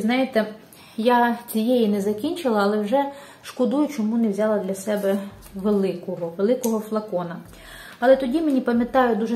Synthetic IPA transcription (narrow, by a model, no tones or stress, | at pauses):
znɑjet̪ɛ | jat͡sʲijɛjinɛzɐkʲinʲt͡ʃɪlˠɐːlˠɛwʒɛ | ʃkɔd̪ujʊt͡ʃɔmunɛwzʲɑlˠɐd̪lʲɐsɛbɛ | ʋelˠɪkɔɦɔʋelˠɪkɔɦɔflˠɐkɔnɐ | ɐlˠɛt̪ɔdʲimenʲipɐmʲjɐt̪ɑjʊd̪uʒɛ